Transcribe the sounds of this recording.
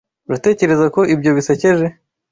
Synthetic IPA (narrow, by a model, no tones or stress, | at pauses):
ɾate̞ːce̞ɾe̞zako̞ʔibɟo̞βisece̞ʒe̞